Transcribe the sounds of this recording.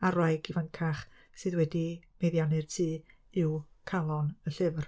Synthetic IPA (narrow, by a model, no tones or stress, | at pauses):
arajɡivənkʰaχ | sɨðwɛdimejðjanɨrtʰiː | ɪwkʰalˠɔnəɬɪvr